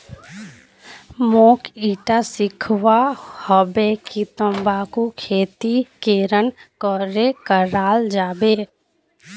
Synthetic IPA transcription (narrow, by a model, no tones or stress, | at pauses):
moːkiːʈasɪkʰwahɔbekit̪ə̃mbaːkokʰeːt̪ikeɾənkɔɾekəɾaːld͡ʒaːbe